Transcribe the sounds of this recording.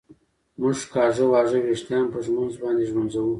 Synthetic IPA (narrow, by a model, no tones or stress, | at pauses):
mʊʒkɑʐəwɑʐəweʂt̪jɑmpəʒmʊnzbɑnd̪eʒmʊnzawu